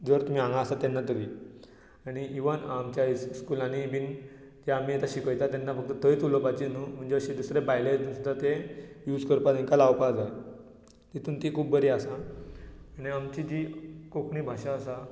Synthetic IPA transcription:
d͡zəɾt̪um̤iːãŋɡaəsat̪anːat̪əʋi | aɽ̃iʔiʋənamt͡ɕjaisskulanibin | d͡ʑeamiet̪aɕikəjt̪at̪anːafək̚t̪ət̪əjt̪uləpat͡ɕinum̤əɳd͡ʑeəɕid̪usɾebajled͡ʑd̪usud̪ʱat̪ejuːd͡zkəɾpat̪ĩŋkalawpad͡zaje | t̪it̪uːnt̪ikʰuːbəɾiasaː | niamt͡ɕid͡ʑikokʰɳiːbʱaɕaəsa

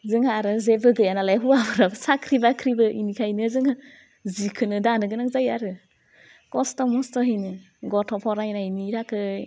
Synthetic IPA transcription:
zɯŋaɾɯzebɯɡɯjanalajɦuabʰɯɾabsakʰɾibakʰɾibɯʔinikʰajnɯzɯŋa | zikʰɯnɯdanɯɡɯnakzajaɾɯ | kɔstɔmɔstɔɦɯjnɯ | ɡɔtʰɔpʰɔɾajnajniɾakʰɯ

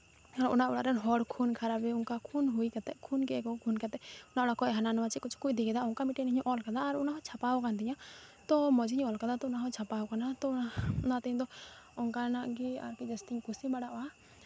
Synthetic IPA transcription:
aɾṵnaʔɔɽa̰ɾɛnɦɔɽkʰunkʰaɾabɛuŋkakʰunɦujkat̪ɛkʰunkɛkɔkʰunkat̪ɛʊnaɔɽakɔɛɦananɔwat͡ʃikɔt͡ʃʰu̥kuid̪iɡɛd̪aɔŋkamiʈiɛɲɔʔɔlkad̪aːɾunaɦɔt͡ʃʰapawɔkant̪iɲat̪ɔmɔd͡ʒiɲɔlkad̪at̪ɔunaɦɔt͡ʃʰapawkanat̪ɔnat̪ɛɲd̪ɔɔŋkanaʔɡia̰ɾkid͡ʒɛst̪iɲkusibaɽaʔɔa

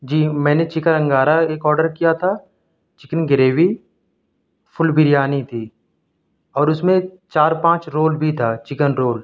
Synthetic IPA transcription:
d͡ʒiːmɛ̃ːnet͡ʃɪkəɾə̃ŋɡaːɾaeːkɔːɾɖəɾkijat̪ʰa | t͡ʃɪkənɡɪɾeːʋi | pʰʊlbɪɾjaːnit̪ʰiː | ɔːɾʊsmẽ | t͡ʃaːɾpãːt͡ʃɾoːlbʱit̪ʰaːt͡ʃɪkənɾoːl

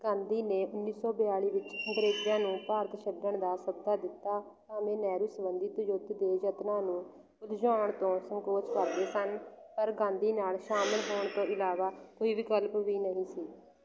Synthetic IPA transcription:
ɡ̥ãːnd̪iːneːʊnːiːsɔːbɪjaːɭiːʋɪt͡ʃɡɾeːd͡ʒjãːnũːpaːɾt̪əʃəbd̪əɳd̪aːsəb̚d̪aːd̪ɪt̪ːaː | t̪ãːmẽːnɛːɾuːsəbənd̪iːt̪ʊd͡ʒot̪d̪eːd͡ʒət̪nãːnũː | ʊt̪d͡ʒaːəɳt̪õːsəŋkoːt͡ʃkəɾd̪eːsənpəɾɡãːnd̪iːnaːlʃaːməlɦoːɳt̪õːɪlaːʋaːkoːiːʋiːkəlpʋiːnəɦĩːsiː

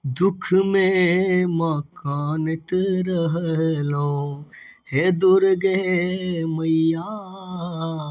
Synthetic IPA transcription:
d̪ʊkʰmẽmakaːnət̪ɾəɦəɦlõ | ɦed̪oɾɡe | məja

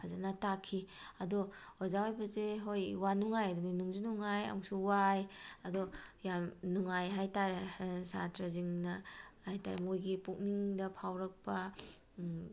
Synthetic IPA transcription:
kʰazanɐtakʰːiɐdɔhozawajbɐzeɦojwanuŋajadɔninuŋzinuŋaja̰ŋsuwajɐdɔjamnuŋajɦajtaɾesa̰tɾaziŋnɐhajta̰ɾḛmojɡipuk̚niŋdɐpʰawɾɐk̚pɐ

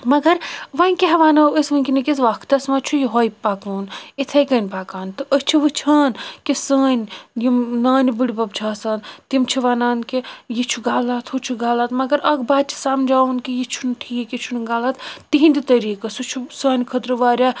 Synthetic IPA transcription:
mɐɡɐɾʋɐnʲkiɦɐʋaːnɐəsʋɐnʲkʲinɐkʲisʋakʰt̪ɐsmɐt͡ʃʰujiɦojpakuːnit̪ʰɐjkɐnʲpaːkaːnt̪ɨʔət͡ʃʰiʋɨt͡ʃʰaːnkisəːnʲjimnaːnibuɽibɐb̚t͡ʃʰaːsaːnt̪imt͡ʃʰiʋaːnaːnkijit͡ʃʰuɡaːlaːt̪ʰhut͡ʃʰuɡaːlaːt̪mɐɡɐɾɐɡbaːd̪̚t͡ʃʰi̥saːmd͡ʒaːunkijit͡ʃʰunʈʰiːkjit͡ʃʰunɡaːlat̪t̪iɦinʲd̪it̪ɐɾiːkɐsut͡ʃʰusaːnʲkʰɐt̪ɾɨʋaːɾʲjaː

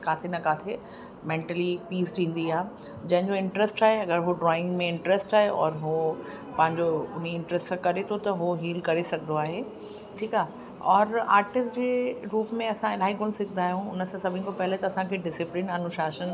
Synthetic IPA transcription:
kaːt̪ʰenɐkaːt̪ʰe | mẽːɳʈəlipiːsʈʰĩːn̆d̪iaːɦe | d͡ʑɐ̃ɦɪ̃ɲd͡ʑoɪ̃ɳʈɾɛsʈaːɦeɐɡəɾɦoɖɾɔːɪ̃ŋɡmẽɪ̃ɳʈɾɛsʈaːɦeʔɔːɾɦo | pɐ̃ɦɪ̃ɲd͡ʑoʊniɪ̃ɳʈɾɛsʈsãkɐɾet̪ʰot̪ɐɦoɦiːlkɐɾesɐɡʱnd̪oaːɦe | ʈʰiːkaːɦ | ɔːɾaːɾʈɪsʈd͡ʑeːɾuːpmẽɐsãɪlaːɦikʊñsɪɡʱnaːɦijũʊnəsãsɐbʱɪnkopɐɦɪlet̪ɐːsãkʰeɖɪsɪplɪnɐnʊʃaːʃən

